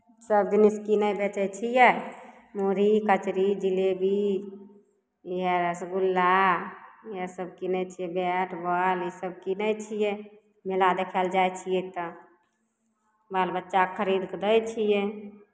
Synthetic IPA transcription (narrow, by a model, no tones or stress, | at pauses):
səb̚d̪iniskinəjbet͡ʃɛt͡ʃʰijɛ | moɾikət͡ʃɾid͡ʒilebʱi | iɦɛɾəsɡulːa | iɦəsəb̚kinɛt͡ʃʰijɛbɛʈʰbəlisəb̚kinət͡ʃʰijɛ | melad̪ekʰɛld͡ʒajt͡ʃʰijɛt̪ə | balbətːʃakʰəɾid̪kd̪əjt͡ʃʰijɛ